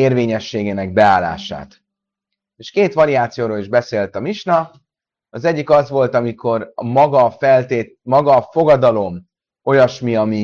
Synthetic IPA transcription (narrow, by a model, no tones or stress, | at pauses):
eːrveːɲɛʃːeːɡeːnɛɡ̚bɛaːlːa̰ːʃa̰ːt̪ | eːʃkeːt̪ʋɒɾiaːt̪sijoːɾoːliʒbɛseːlt̪ɒmiʃnɒ | ɒzɛɟːikɒzʋo̞lt̪ɒmikʰo̞rmɒɡɒfɛlt̪eː | mɒɡɒfo̞ɡɒd̪ɒlo̞m | o̞jɒʃmiɒmi